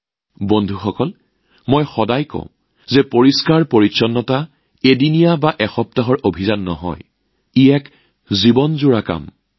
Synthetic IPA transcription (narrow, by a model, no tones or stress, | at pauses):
bondʱuxɔkɔl | mojxɔdajkɔ̰̃ʊ̃ | zɛpoɹiskaɹpoɹitsɔnːɔta | edinijabaʔɛxɔp̚taɦɔɹʔobʱizanːɔ̰ɦɔ̰j | iɛk | zibɔnzuɹaka̰m